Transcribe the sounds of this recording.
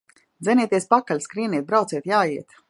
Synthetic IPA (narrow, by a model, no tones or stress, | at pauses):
d̪zʲɛniɛt̪iɛspakalʲskɾiɛniɛt̪̚bɾawt̪siɛt̪jaːjiɛt̪